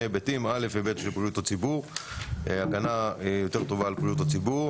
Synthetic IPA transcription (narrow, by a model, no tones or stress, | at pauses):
ebetimale̞fhibetʃelpʁijutat͡sibuʁeaɡanaijo̞te̞ʁt̪o̞vaːlpʁijut̪at͡sibuʁ